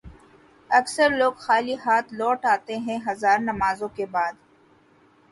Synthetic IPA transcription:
ɐksəɾloːɡxaːliɦaːt̪ʰlɔːʈaːt̪eɦɛ̃ɦɐzaːɾnɐmaːzõkebaːd̪

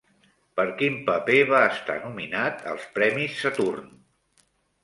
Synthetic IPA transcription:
pəɾkimpəpeβ̞aəst̪a̰numinat̪ə̰lˠspɾɛmisːət̪urn

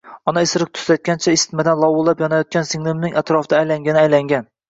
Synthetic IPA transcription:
ɒnaɪsɾɪq̚t̪ʰʊ̥sat̪̚kʲant͡ʃʰaɪst̪mad̪anlˠɒwʊlˠapjɒnajɒt̪̚kʲansɪŋlɪmnɪŋʲʔat̪ɾɒfd̪aːjlaŋɡʲanɪajlaŋɡʲan

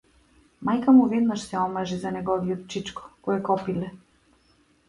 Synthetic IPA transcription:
majkamuvɛd̪naʃsɛɔmaʒizanɛɡɔvijɔt̪̚t͡ʃit͡ʃkɔ̥kɔjɛkɔpilɛ

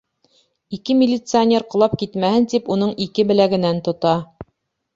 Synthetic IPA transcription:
ikɘmʲɪlʲːɪt̪sɨanʲeɾqŏlˠɑp̚kit̪mæhɘnt̪ipunɤɴikɘbɘ̆læɡɘ̆nænt̪ŏt̪ɑ

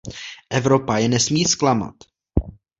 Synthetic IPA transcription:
ʔɛvɾo̞pajɛnɛsmiːsklama̰t̪

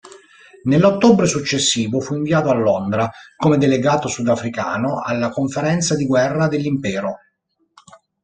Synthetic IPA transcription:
nelːot̪ːobɾesut͡ʃːesːiːvofuiɱviaːt̪oalːond̪ɾakomed̪eleɡaːt̪osud̪afɾika̰ːnoʔalːakoɱfeɾɛnt̪sad̪iɡwɛrːad̪elːimpɛːɾo

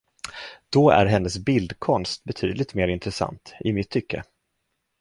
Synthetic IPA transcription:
d̪̥ɔæ̰ɾɦɛnːəsbɪld̪kʰɔnst̪̚bɛt̪ʰyːd̪lɪɡt̪meːɾɪnt̪ɾɛsa̰nt̪ɪmɪt̪ʰːʏkːə̰

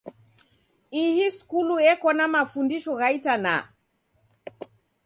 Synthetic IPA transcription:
ihiskuluɛkɔnamafundiʃɔɣaitana̰

